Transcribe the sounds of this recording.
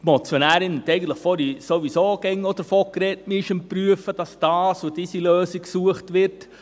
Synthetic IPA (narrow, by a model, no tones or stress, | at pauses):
tmɔt͡sjonæːɾɪnhɛtɛɪɡən̩t̪ləχfɔɾisoʋisoːɡɛŋːɔd̥̪əɾfɔkɾɛtmɪʃəmpɾyəfəd̥ɑsd̥ɑːsud̥iːsiløːsiksuəχtʋɪɾt